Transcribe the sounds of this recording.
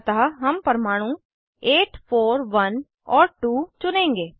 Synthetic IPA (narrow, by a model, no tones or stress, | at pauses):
t̪aːɦəmpəɾmaːɽ̃ũ | eːʈpʰoːɾʋən | ɔːɾʈuːt͡ʃʊnẽːŋɡeː